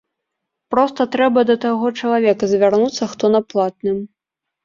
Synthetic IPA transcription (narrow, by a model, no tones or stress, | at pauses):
pɾɔst̪ɐt̪ɾɛbɐd̪ɐt̪aɣɔt͡ʂɐlˠavʲɛkɐzʲvʲarnut̪sːɐxt̪ɔnɐplˠat̪nɨm